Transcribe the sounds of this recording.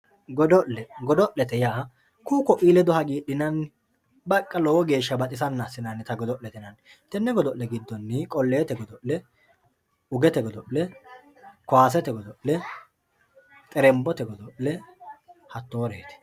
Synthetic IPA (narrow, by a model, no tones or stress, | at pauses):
ɡɔd̪ɔʔlɛɡɔd̪ɔʔlɛt̪ɛjaːɦɐ | kuːkɔʔʼiːlɛd̪ʊhɐɡiːɗɪnɐn | bɐkʼːɐlɔwɔɡe̞ːʃːɐbɐt̪ʼɪsɐnːasːɪnɐnːɪt̪ɐɡɔd̪ɔʔlɛt̪ɛnɐn | t̪ɛnːɛɡɔd̪ɔʔlɛɡɪd̪ːɔnːɪkʼɔlːeːt̪ɛɡɔd̪ɔʔlɛ | ʊɡɛt̪ɛɡɔd̪ɔʔlɛ | kʊaːs̬ɛt̪ɛɡɔd̪ɔʔlɛ | t̪ʼɛɾɛmbɔt̪ɛɡɔd̪ɔʔlɛ | hɐt̪ːoːɾeːt̪ɛ̥